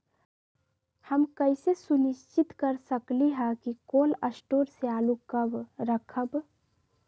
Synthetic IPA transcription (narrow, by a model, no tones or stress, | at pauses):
həmkəɪsesuniʃt͡ʃit̪kəɾsəkliɦə̃kikoləsʈoːɾseaːlukəbɾəkʰəb